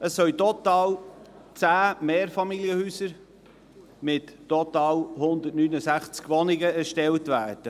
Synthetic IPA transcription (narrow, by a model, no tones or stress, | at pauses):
əsːœltɔt̪ɑːlt͡sæːmeːɾfɑmiljəhyːsəɾ | mɪtːɔt̪ɑːlhʊnd̪ətnyːnəsæχt͡skʋɔnɪɡəɛɾʃtɛltʋæːrd̥ə